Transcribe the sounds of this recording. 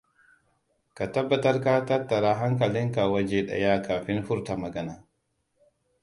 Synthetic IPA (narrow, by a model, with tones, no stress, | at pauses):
ka˨ta˦bːa˨tɐ˦ɾka˦ta˦tːa˨ɾaː˦ɦa˦ŋkɐ˨lɪ˦ŋka˨wa˦d͡ʒeː˦ɗɐ̰˨jaː˦kaː˨ɸɪ˦nɸʊ˦ɾta˨mɐ˨ɡɐ˦naː˨